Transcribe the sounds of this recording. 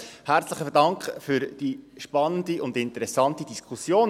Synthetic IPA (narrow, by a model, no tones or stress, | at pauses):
hæɾt͡sləɪχəfədɑŋkχfʏɾd̥iʃpɑnəndiʊndɪntəɾɛsɑntid̥iskχusjoːn